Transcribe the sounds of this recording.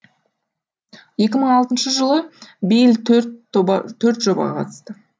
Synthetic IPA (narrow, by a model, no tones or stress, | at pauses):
je̞kʲɪməɴɑlˠt̪ənʃəʒəlˠəbejlt̪ | t̪ʰːɵɾt̪ʒobɑɑ̰qʰɑ̰t̪əst̪ə